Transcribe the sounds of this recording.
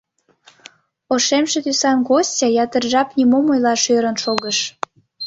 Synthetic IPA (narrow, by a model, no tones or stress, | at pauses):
oʃemʃĕt̪ysɑnɣosʲtʲɑjɑt̪ərʒɑpnʲimomojlɑʃøɾənʃoɣəʃ